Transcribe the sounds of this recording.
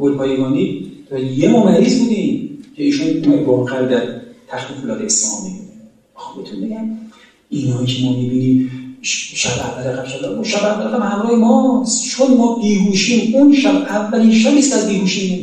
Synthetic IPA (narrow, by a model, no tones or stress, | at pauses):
ɡolpʰɒːjeɡɒːniːt̪nijemɒːmæɾiːzbud̪icʰeiːʃunumemvɒːɣæɾod̪æɾt̪ʰæxt̪ufulɒːt̪ʰeeslɒ̰ːmikue | xobbet̪ʰunbeɟæm | inhɒːicʰemɒːmibiːniːm | ʃæbævːælæɣæbʃæbæunʃæbævːælæɣæbhæmɾɒːhemɒst̪t͡ʃʰonmɒːʔiːhuːʃiːmunʃæbævːæliːnʃæbiːst̪æzbiːhuːʃiːn